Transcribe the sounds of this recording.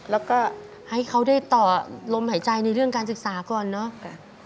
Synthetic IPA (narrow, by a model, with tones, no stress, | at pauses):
lɛː˦˥wkɔː˥˩ | ha˥˩jkʰa˦˥wdaː˥˩jt̪ɔː˨˩lo˧mhaː˩˦jt͡ɕa˧jna˧jɾɯ˥˩əŋkaː˧nsɯ˨˩k̚saː˩˦kɔː˨˩nːɔ˦˥